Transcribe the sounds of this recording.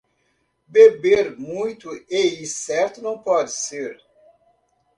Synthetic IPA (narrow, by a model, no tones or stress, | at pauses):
bebeɾmũj̃t̪ʊeisɛɾt̪ʊnɐ̃w̃pɔd͡ʒɪseɾ